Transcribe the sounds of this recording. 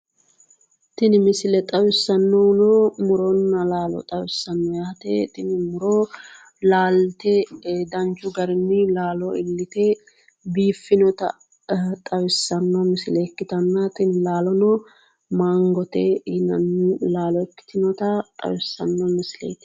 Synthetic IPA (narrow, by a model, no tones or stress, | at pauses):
t̪ɪnɪmɪsɪlɛt̪ʼɐwɪsːɐnːɔnɔmʊɾɔnːɐlaːlɔ̰t̪ʼɐwɪsːɐnːɔjaːt̪ɛt̪ɪnɪmʊɾɔ | laːlt̪ɛd̪ɐnt͡ʃʊɡɐɾɪnːɪlaːlɔɪlːɪt̪ɛ | biːfːɪnɔt̪ɐ̰ | t̪ʼɐwɪsːɐnːɔmɪsɪlɛːkːɪt̪ɐnːɐt̪ʼɪnɪlaːlɔnɔ | maːŋɡɔt̪ɛnɐ̰nːɪlaːlɔɛkːɪ̥t̪ɪnɔt̪ɐt̪ʼɐ̰wɪsːɐ̰nːɔmɪsɪlɛ̰jt̪